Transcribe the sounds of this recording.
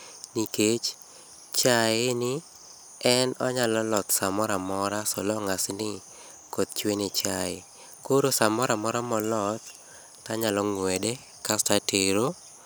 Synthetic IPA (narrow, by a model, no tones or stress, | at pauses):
niket͡ʃ | t͡ʃajenɪ | ɛnɔɲalɔlɔt̪samɔɾamɔɾasɔlɔŋasnɪ | kot̪̚t͡ʃwenet͡ʃaɪ | koɾosamɔɾamɔɾamɔlɔt̪̚ | taɲalɔŋwɛdɛ | kastateɾo